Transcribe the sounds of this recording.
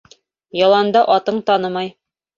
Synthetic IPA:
jɑlˠɑnd̪ɑʔɒt̪ɤɴt̪ɑnɤmɑj

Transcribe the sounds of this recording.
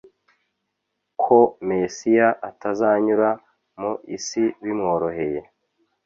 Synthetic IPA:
kʰomesijaʔatazaːɲuɾa | moʔisiβimŋo̞ːɾo̞he̞je̞

